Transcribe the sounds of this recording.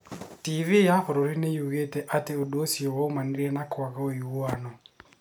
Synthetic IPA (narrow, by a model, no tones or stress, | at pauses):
tivijahoɾoɾinejuɣetɛʔateodoosiowomaniɾiɛnakwakaojuanɔ